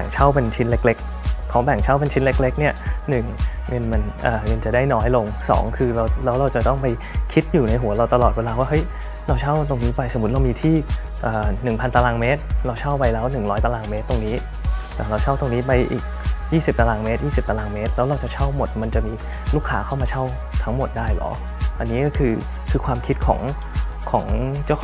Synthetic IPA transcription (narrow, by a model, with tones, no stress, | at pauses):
bɛ̰˨˩ŋt͡ɕʰa˥˩wpe˧nt͡ɕʰi˦˥nle˦˥k̚le˦˥k̚ʰː | ɔː˩˦bɛ˨˩ŋt͡ɕʰa˦˥˩wpe˧nt͡ɕʰi˦˥nle˦˥k̚le˦˥k̚ni˥˩ɐnɯ˨˩ŋŋɤ˧nma˧nʔəː˨˩ŋɤ˧nt͡ɕa˨˩da˥˩jnɔː˦˥jlo˧ŋsɔ̰ː˩˦ŋkʰɯː˧ɾa˧wlɛː˦˥wɾa˧wt͡ɕa˨˩t̪ɔ˥˩ŋpa˧j | kʰi˦˥t̪̚juː˨˩na˧jɦu˩˦ɐɾa˧wt̪a˧lɔː˨t̪̚weː˧laː˧waː˥˩ɦɤ˦˥j | ɾa˧wt͡ɕʰa˥˩wt̪o˧ŋniː˦˥pa˧jso˨˩˦mu˦˥t̪̚ɾa˧wmiː˧t̪ʰiː˥˩ | ʔəː˨˩nɯ˨˩ŋpʰa˧nt̪a˧laː˧ŋmeː˦˥t̪̚ɾa˧wt͡ɕʰa˥˩wpa˧jlɛː˦˥wnɯ˨˩ŋɾɔː˦jt̪a˧laː˧ŋmeː˦˥t̪ːo˧ŋniː˦˥ | ɛː˨˩ɾa˧wt͡ɕʰa˥˩wt̪o˧ŋniː˦˥pa˧jʔḭː˨˩k̚jiː˥˩si˨˩p̚t̪a˧laː˧ŋme˦˥t̪̚jiː˥˩si˨˩p̚t̪a˧aː˧ŋmeː˦˥t̪̚lɛː˦˥wɾa˧wt͡ɕa˨˩t͡ɕʰa˥˩wmo˨˩t̪̚ma˧nt͡ɕa˨˩miː˧ | luː˥˩kʰːa̰ː˩˦˥kʰa˥˩wmaː˧t͡ɕʰa˥˩w | t̪ʰa˦˥ŋmo˨˩t̪̚daː˥˩jlɔ̰˩˦ | ʔa˧nːiː˦˥kɔː˥˩kʰɯː˧ | kʰɯː˧kʰwaː˧mkʰi˦˥t̪̚kʰɔ̰ː˩˦ŋ | kʰɔː˩˦ŋt͡ɕa˥˩wʰ